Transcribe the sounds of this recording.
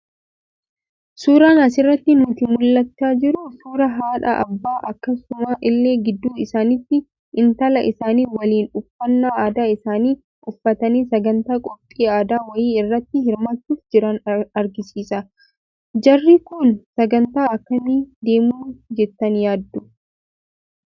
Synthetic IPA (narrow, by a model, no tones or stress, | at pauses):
suːɾaːnɐs̬ɪrːɐt̪ːɪnʊt̪ɪmʊlːɐt͡ʃːaːd͡ʒɪɾʊsuːɾɐɦaːᶑɐ̰ʔɐ̰bːaːʔɐkːɐsʊmaːʔɪlːeːɡɪd̪ːuːɪsaːnɪt̪ːɪ | ʔɪnt̪ɐlɐʔɪsaːniːwɐliːnʊfːɐnːaːaːd̪aːɪsaːniː | ʔʊfːɐt̪ɐniːsɐɡɐnt̪aːkʼɔpʼːiːaːd̪aːwɐjiːɪrːɐt̪ːɪɦɪɾmaːt̪ːuːfd͡ʒɪɾɐnɐɾɡɪsiːsɐ | d͡ʒɐrːiːkʊnsɐɡɐnt̪aːɐkːɐmid̪e̞ːmuːd͡ʒɛt̪ːɐnjaːd̪ːʊ